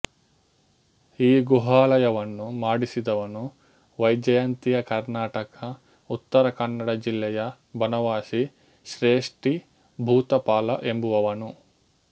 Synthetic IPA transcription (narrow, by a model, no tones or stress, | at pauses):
iːɡuɦaːlɐjɐʋɐnːumaːɽisid̪ɐʋɐnu | ʋɐjd͡ʒɐjaːnt̪ijɐkɐɾnaːʈɐkɐ | ut̪ːɐɾɐkɐnːɐɽɐd͡ʒilːɛjɐ | bʱɐnɐʋaːʃi | ʃɾeːʂʈi | bʱuːt̪ɐpaːlɐʔe̞mbuʋɐʋɐnu